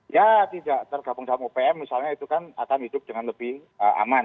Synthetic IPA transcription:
jat̪idaʔt̪ərɡ̥abʊŋsamopeɛmːisalɲait̪ukana̰kanhid̥ʊp̚d̥əŋanləb̥ɪhəʔa̰man

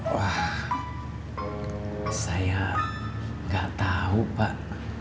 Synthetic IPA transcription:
wah | saja | ŋɡaʔt̪aupaʔ

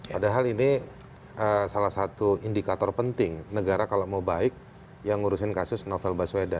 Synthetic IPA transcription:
padaɦalini | ʔəsalahsat̪uindikat̪ɔrpənt̪ɪŋnəɡaɾakalamabaɪk̚ | jaŋuɾusɪnkasʊsnofɛlbasweda

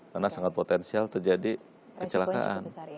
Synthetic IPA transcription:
karnasaŋat̪̚pot̪ɛnsialt̪ərd͡ʒadi | kət͡ʃəlaka̰ʔa̰n

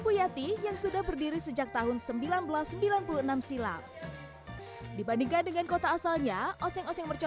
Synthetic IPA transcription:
pujat̪ijaŋsudahbərdiɾisəd͡ʒak̚t̪aɦʊnsəmbilanbəlasːəmbilanpuluənamsila̰k̚ | dibandiŋkandəŋankot̪aːsalɲaʔɔsɛŋɔsɛŋmərt͡ʃɔ

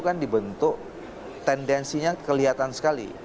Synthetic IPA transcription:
kandibənt̪ʊk̚ | t̪ɛndɛnsiɲakəliɦat̪ansə̥kalḭ

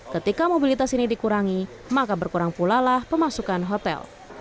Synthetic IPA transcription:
kət̪ikamobilit̪asinidikuɾaŋi | makabərkuɾaŋpulalahpəmasukanɦot̪ɛ̰l

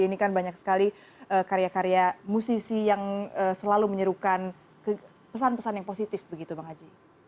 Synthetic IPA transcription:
inikanbaɲak̚sə̥kali | ʔəkaɾeakaɾeamusisijaŋəːsəlaluməɲəɾukan | kə | pəsanpəsanjaŋposit̪ɪfbəɡit̪ubaŋad͡ʒi

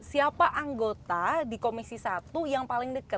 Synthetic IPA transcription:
siapaʔaŋɡot̪adikomisisat̪ujaŋpalɪŋdəkət̚

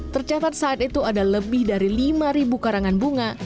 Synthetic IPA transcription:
t̪ərt͡ʃat̪at̪̚saːt̪it̪uadaləbɪhdaɾilimaɾibukaɾaŋanbuŋa

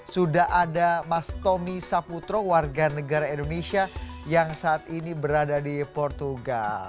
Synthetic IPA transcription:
sudahʔadamast̪omisaput̪ɾowarɡanəɡaɾaindonesiajaŋsaʔːt̪inibəɾadadipɔrt̪uɡal

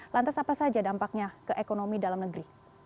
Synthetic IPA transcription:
lant̪asapasad͡ʒadampak̚ɲakəʔekonomidalamnəɡɾi

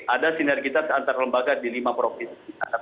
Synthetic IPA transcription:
ʔadasinɛrɡit̪asəant̪aɾaləmbaɡadilimapɾofinsiaka

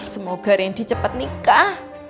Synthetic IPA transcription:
səmaɡ̥arjaŋd̥i̤t͡ʃəpət̪̚nikah

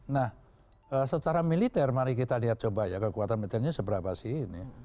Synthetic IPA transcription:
nah | əsət͡ʃaɾamilit̪ɛrmaɾikit̪aniat̪̚t͡ʃobajakəkuat̪anmilit̪ɛrɲasəbəɾapasiini

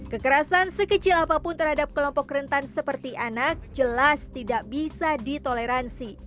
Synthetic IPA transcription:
kəkəɾasansəkət͡ʃɪlapapʊnt̪ərhadap̚kəlɔmpɔkrənt̪ansəpərt̪iʔanak̚d͡ʒəlast̪idaʔbisadit̪oleɾansi

